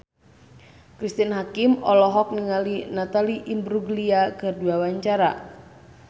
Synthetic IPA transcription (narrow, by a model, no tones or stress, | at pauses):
kɾist̪inɦakimɔlɔɦɔk̚niŋalinat̪aliʔimbɾuɡliakɨrduawaɲt͡ʃaɾa̰